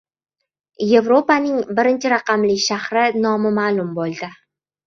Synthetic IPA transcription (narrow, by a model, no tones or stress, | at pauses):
je̞vɾo̞panɪŋbɪɾɪnt͡ʃʰɪɾɑqɑmlɪkʲʃahɾɪnɒmɪmaːlˠʊmbolˠd̪ɪ